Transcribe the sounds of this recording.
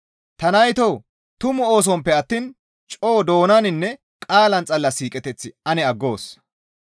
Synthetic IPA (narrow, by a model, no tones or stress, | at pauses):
t̪ɐnɐjt̪ɔw | t̪ʊmʊo̞ːs̬ɔmpːɛɐt̪ːiːn | t͡ʃʼoːd̪o̞ːnɐnɪnːɛ | kʼaːlɐnt͡sʼɐlːɐsiːkʼɛt̪ɛt͡sːɪɐnɛɐɡːo̞ːs